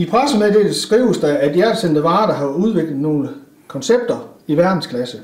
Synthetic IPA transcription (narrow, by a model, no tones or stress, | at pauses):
ipʰʁasəmed̥edesɡ̥ʁiʊəsd̥ɑæd̥jæɐd̥send̥əʋɑ̈ːd̥ɑ̈ɦɑ̈uð̞ˠʋe̝ɡ̥ləð̩ˠno̝ːlə | kʰɒ̽nseb̥̚d̥ɐiʋæɐd̥n̩skʰlæsə